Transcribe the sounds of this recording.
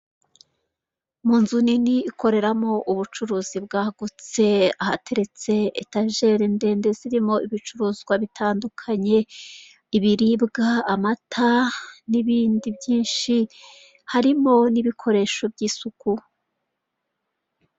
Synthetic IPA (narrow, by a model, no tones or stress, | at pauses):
muːnzuniniːkʰo̞ɾe̞ɾamo̞ʔuβut͡ʃuɾuːzibɡaːɡut͡se̞ahatʰe̞ɾe̞t͡se̞ːtaʒe̞ɾinde̞ːndeziɾimo̞ʔiβit͡ʃuɾuːzɡwaβitʰaːndukʰaɲe̞ | iβiɾibɡaːmatʰaniβiːndibjiːnʃi | haɾimo̞niβikʰo̞ɾe̞ːʃo̞bɟiːsuku